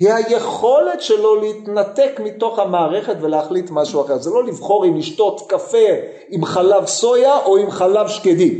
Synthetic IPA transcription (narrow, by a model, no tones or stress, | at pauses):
hihaje̞χo̞le̞tʃelo̞leit̪nate̞kmito̞χhamaːʁe̞χetveleaχlit̪maʃuaχeʁzelo̞livχo̞ʁimliʃto̞tkafe̞ | imχalavso̞jaʔo̞imχalavʃkedi